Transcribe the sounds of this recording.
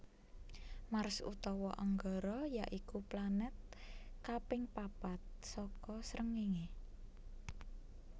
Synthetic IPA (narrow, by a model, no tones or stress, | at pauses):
maɾsṵt̪ɔwɔʔaŋɡɔɾɔjaʔikuplanɛt̪̚kapɪŋpapat̪̚sɔkɔsɾəŋiŋe